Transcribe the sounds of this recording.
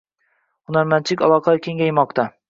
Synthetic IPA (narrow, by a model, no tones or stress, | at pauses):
χunɑɾmænt͡ʃʰɪkʲɑ̰lˠɑqʰɑkʲʰeŋɡʲɛjmɑq̚t̪ʰɑ